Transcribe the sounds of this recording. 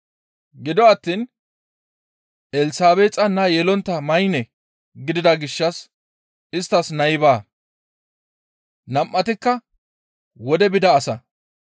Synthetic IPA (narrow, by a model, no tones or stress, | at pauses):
ɡɪd̪ɔɐt̪ːiːn | ʔɛlsaːbeːt͡sʼɐnɐjɛlɔnt̪ːɐmɐjnɛ | ɡɪd̪ɪd̪ɐɡɪʃːɐs | ɪst̪ːɐsnɐjbaː | nɐmʔːɐt̪ɪkːɐ | wɔd̪ɛbɪd̪ɐːsɐ